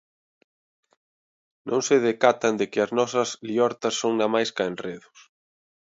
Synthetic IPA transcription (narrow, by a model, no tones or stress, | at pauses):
nʔõŋsɪð̞ekat̪ɐnd̪ekɪɐznɔsɐsliɔɾt̪ɐsːoŋnamajskaenreðʊs